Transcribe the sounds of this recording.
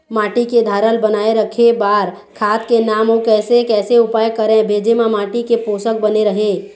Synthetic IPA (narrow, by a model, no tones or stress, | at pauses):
maːʈiked̪ʱaːɾəlbənaːeɾəkʰebaːɾ | kʰaːt̪kenaːmokɛːsekɛːseʊpaːjkəɾẽbʱeːd͡ʒemãmaːʈikepoːsək̚bəneɾəɦeː